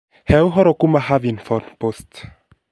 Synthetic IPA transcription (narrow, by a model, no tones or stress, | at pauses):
hɛwɦɔɾɔkumaɦavinfɔnpost̪